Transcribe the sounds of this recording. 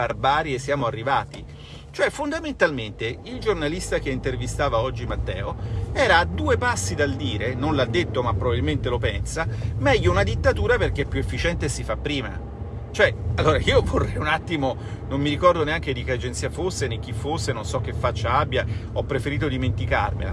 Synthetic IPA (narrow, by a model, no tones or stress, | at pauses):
barbaːɾiesːjaːmoarːivaːt̪i | t͡ʃoɛfond̪ament̪alment̪eild͡ʒornalist̪ak̟eint̪ervist̪aːvaɔd͡ʒːimat̪ːɛ̰ːoɛːɾaːd̪uːepasːid̪ald̪iːɾenonlad̪ːet̪ːomapːɾobabilment̪elopɛnsamɛʎːounad̪it̪ːat̪uːɾaperk̟epːjuefːit͡ʃɛnt̪esifapːɾiːma̰ | t͡ʃoɛalːoːɾaiːovorːɛjunat̪ːimonomːiɾikɔrd̪oneaŋk̟ed̪ikead͡ʒent̪siːafosːenek̟ːifːosːenonsɔk̟ːefːat͡ʃːaabjaɔpːɾefeɾiːt̪od̪iment̪ika̰rmḛla̰